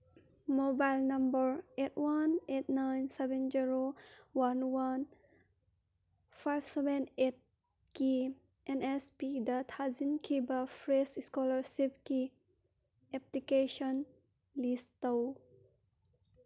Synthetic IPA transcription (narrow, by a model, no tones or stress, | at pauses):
mobaɪlnʌ̃mbəɾetwanet̚najnsɛbɛ̃nd͡ʒiɾowanwan | fajbsɛbẽnet̚ | ki | ʔɛ̃nɛspid̪atʰazinkʰibafɾesskɔləɾsip̚ki | ɛplikeʃɔn | listow